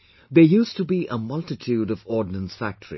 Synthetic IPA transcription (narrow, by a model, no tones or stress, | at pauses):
ðejuːstubiʔəmʌltɪtʰjuːɾɔvɔːdⁿnə̃nsfæk̚tʰəɹḭ